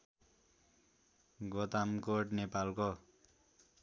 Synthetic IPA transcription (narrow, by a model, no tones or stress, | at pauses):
ɡot̪amkoʈnepalko